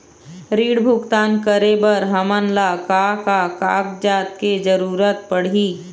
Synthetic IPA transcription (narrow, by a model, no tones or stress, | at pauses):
ɾiːɽbʱʊɡt̪aːnkəɾebəɾɦəmənlakaːkakaːkd͡ʒaːt̪ked͡ʒəɾuːɾət̪̚pəɽ̤iː